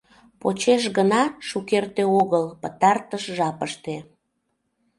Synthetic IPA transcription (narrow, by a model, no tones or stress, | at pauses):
pot͡ɕeʃ̬ɣənɑʃukert̪eoɣəlpət̪ɑrt̪əʃʒɑpəʃt̪e